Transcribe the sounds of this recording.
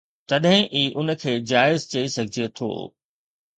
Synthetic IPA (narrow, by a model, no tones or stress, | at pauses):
t̪ɐɗɦɪ̃ʔiːʔʊnə̆kʰeːd͡ʑaːɪzt͡ɕɐisɐɡʱɪd͡ʑiet̪ʰo̰ː